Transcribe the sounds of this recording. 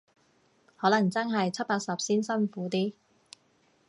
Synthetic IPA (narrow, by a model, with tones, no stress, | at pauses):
hɔː˨˥lɐ˨˩ŋt͡sɐ˥nɦɐ˨jt͡sʰɐ˥t̚paː˧k̚sɐ˨p̚siː˥nsɐ˥nfuː˨˥t̪iː˥